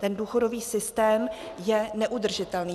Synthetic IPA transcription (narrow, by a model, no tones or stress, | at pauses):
t̪ɛnduːxo̞do̞viːsɪst̪ɛːm | jɛnɛʔud̪r̩ʒɪt̪ɛlniː